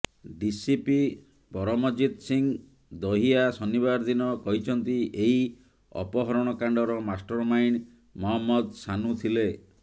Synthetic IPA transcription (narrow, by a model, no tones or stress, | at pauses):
d̪isipi | bɔɾɔmɔd͡ʒid̪siŋ | d̪ɔɦiasɔniβaɾd̪inɔkɔɦit͡ʃʰɔnt̪iʔeɦi | ɔ̰pɔɦɔɾɔɽ̃ɔkaɳɖɔɾɔmasʈɔɾmajn | mɔɦɔmːɔd̪sanut̪ʰile